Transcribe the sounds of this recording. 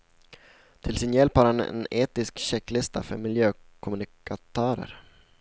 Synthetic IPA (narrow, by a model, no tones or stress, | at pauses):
t̪ʰɪlsɪnjɛlphaɾhanɛ̰neːt̪ɪskɕɛkːlɪst̪ʰa̰fœɾmɪljøː | kʰʊmɵnɪkat̪ʰœːɾə̰ɾ